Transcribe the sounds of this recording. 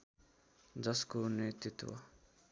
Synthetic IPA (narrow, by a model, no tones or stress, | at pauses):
d͡zʌskonet̪it̪wʌ̰